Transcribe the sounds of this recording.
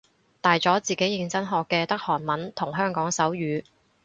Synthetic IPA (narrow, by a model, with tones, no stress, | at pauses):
t̪aː˨jt͡sɔː˨˥t͡siː˨ke˨˥jɪ˧ŋt͡sɐ˥nɦɔː˨˧kːɛː˧t̪ɐ˥k̚hɔː˨˩nmɐ˨˥nt̪ʰʊ˨˩ŋɦœː˥ŋkɔː˨˥ŋsɐ˨˥wjyː˨˧